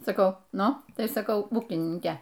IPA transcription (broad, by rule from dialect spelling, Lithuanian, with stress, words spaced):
sɐˈkɐʊ ˈnʊ ˈtɐɪ sɐˈkɐʊ ˈuːkʲɪnʲɪŋʲkʲɛ